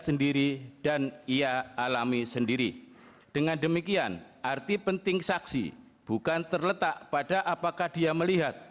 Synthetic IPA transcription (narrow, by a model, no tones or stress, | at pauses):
səndiɾid̥aniaːlamisəndiɾi | d̥əŋandəmikianʔart̪ipənt̪ɪŋsaksḭ | b̥ukant̪ərlət̪aʔpadaʔapakahdiaməliɦat̪̚